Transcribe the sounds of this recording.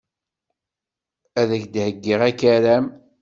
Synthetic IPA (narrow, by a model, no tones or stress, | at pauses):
æðəçd̪həɡːiʁækæɾæm